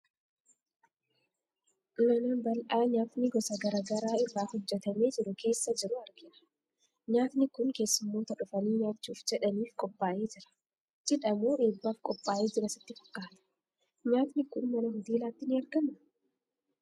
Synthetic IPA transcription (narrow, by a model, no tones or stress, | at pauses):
mɐnɐbɐlʔaːɲaːt̪nɪɡɔsɐɡɐɾaːɡɐɾaːɪrːaːhɔd͡ʒːɛt̪ɐme̞ːd͡ʒɪɾʊkʰe̞ːsːɐd͡ʒɪɾʊɐɾɡɪᶑɐ̥ | ɲaːt̪nɪkʊnke̞ːsːʊmːo̞ːt̪ɐᶑʊfɐniːɲaːt͡ʃːuːfd͡ʒɛᶑɐniːfkʼɔpʼːaːʔeːd͡ʒɪɾɐ̥ | d͡ʒɛᶑɐmuːʔeːbːaːfkʼɔpʼːaːʔeːd͡ʒɪɾɐsɪ̥t̪ːɪfɐ̥kʼːaːt̪ɐ̥ | ɲaːt̪nɪkʊnmɐnɐɦɔd̪iːlaːt̪ːɪnɪɐɾɡɐnɐ